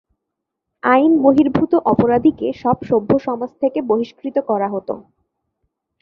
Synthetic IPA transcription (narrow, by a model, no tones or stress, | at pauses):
ajnboɦiɾbʱut̪oʔɔpoɾad̪ʱikeʃɔbʃobʱːoʃɔmod͡ʑt̪ʰekeboɦiʃkɾit̪okɔɾaɦot̪o̰